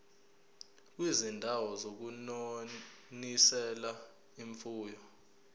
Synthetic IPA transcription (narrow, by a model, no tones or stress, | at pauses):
k̬wizindʱawɔzok̬uno | nisɛla | iɱfuːjɔ